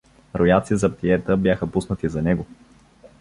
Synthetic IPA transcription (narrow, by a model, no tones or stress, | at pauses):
ɾojat̪sizɐpt̪iɛt̪əbjaxəpusnət̪izɐnɛɡo